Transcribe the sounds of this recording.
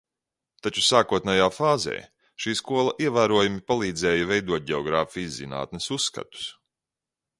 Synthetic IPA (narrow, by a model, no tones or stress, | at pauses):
t̪at͡ʃusaːkuɔt̪najaːfaːzɛ̰ː | ʃiːskuɔlˠɐʔiɛvæːɾuɔjumipalˠiːd̪zɛːjɐvɛjd̪uɔt̪̚ɟʲɛɔɡɾaːfijzzḭna̰ːt̪nɪsusːkɐ̰t̪u̥s